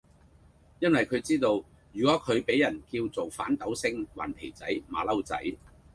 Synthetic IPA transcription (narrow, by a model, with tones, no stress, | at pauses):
jɐ˥nwɐ˨jkʰɵ˨˧ɥt͡siː˥t̪o˧w | jyː˨˩kɔː˨˥kʰɵ˨˧ɥpe˨˥jɐ˨˩nkiː˧wt͡so˨wfa̰ː˨˥nt̪ɐ˨˥wsɪ˥ŋwa̰ː˨˩np̪ʰe˨˩jt͡sɐ˨˥jma̰ː˨˧lɐ˥wt͡sɐ̰˨˥j